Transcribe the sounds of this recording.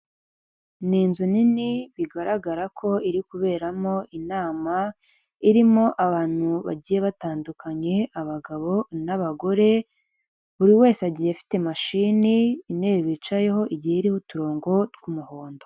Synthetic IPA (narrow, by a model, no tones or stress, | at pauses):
niːnzuniniβiɡaɾaɡaɾakʰo̞iɾikuβe̞ːɾamo̞ʔinaːma | iɾimo̞ʔaβaːn̥huβa̰ɟije̞βataːndukʰaɲe̞aβaɡaβo̞naβaɡo̞ɾe̞ | βuɾiwe̞ːseaɟihefi̥te̞maʃiniːneːβiβit͡ʃaje̞ɦo̞ʔiɟiheiɾihutuɾo̞ːŋɡo̞tɡumuhoːndo